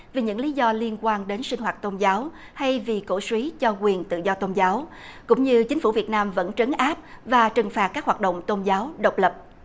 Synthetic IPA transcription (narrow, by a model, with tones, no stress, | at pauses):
vi˨˩ɲɨ̰˧˥ŋli˨˦zɔ˧li˧ənkwaː˧nɗe˨˦nsï˧ŋ̟ɦwaː˨˩t̚t̪o˧nzaː˨˦w | ha˧jvi˨˩ko̰˧˩swi˨˦t͡ɕɔ˧kwi˨˩ənt̪ɨ̰˧˨zɔ˧t̪o˧nzaː˨˦w | kʊ̰˧˥ŋ͡mɲɨ˧t͡ɕï˨˦ŋ̟fu˧˩vi˨˩ət̚naː˧mvə̰˧˥nt͡ɕə˨˦nʔaː˦˥p̚vaː˨˩t͡ɕɨ˨˩ŋfaː˨˩t̚kaː˦˥k̚hwaː˨˩t̚ɗo̰˧˨wŋ͡mt̪o˧nzaː˨˦wɗə˨˩wk͡p̚lə˨˩p̚